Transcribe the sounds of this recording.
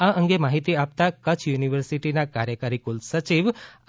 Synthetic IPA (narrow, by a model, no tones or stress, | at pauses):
aə̃ŋɡemaɦit̪iap̚t̪akət͡ʃʰjuniʋəɾsiʈinakaɾjəkəɾikulsət͡ʃiʋ